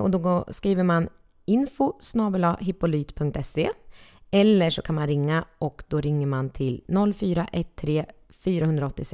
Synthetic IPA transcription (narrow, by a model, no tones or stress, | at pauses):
ɔ̰d̪ɔɡoskɾiːvəɾman | ɪnfʊsnɑːbəlɑɦɪpːʊlyːt̪pʰɵŋk̚t̪ɛse | ɛlːəʂɔkʰanmanɾɪŋːaɔkd̪ɔɾɪŋːəɾmant̪ʰɪlnɔlːfyːɾaʔɛt̪ʰːɾeː | fyːɾahɦɵnd̪ɾaɔt̪ːɪsɛ